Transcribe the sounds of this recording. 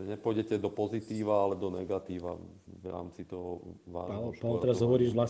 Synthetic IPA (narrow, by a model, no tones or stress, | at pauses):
ɛɲɛpɔjɟɛcɛd̪ɔpɔzit̪iːʋaalɛd̪ɔnɛɡat̪iːʋa̰ʋɾa̰ːmt͡sit̪ɔɦɔʋa̰ːapaʋlt̪ɛɾazɦɔʋɔɾiːʒʋlas